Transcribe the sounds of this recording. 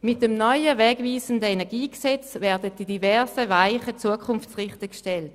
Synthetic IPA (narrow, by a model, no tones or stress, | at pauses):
mɪt̚d̥əmnɔʏəvɛːɡviːzəndəenɛɐɡiːksɛt͡svɛɐdətd̥idivɛɐsəvaɪχət͡suəkʰʊnft͡sʁɪχtəkʃtɛlt